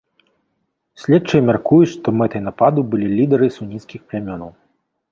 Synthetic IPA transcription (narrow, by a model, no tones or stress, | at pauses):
sʲlʲɛt͡ʂɨjmʲarkujut͡sʂt̪ɔmɛt̪ɨjnapad̪ubɨlʲilʲid̪ɐɾɨsunʲit̪skʲixplʲamʲɔnɐw